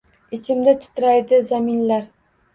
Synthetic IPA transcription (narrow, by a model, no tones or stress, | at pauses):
ɪt͡ʃʰɪmd̪ɪt̪ʰʊ̥t̪ʰɾajd̪ɪzamɪnlaɾ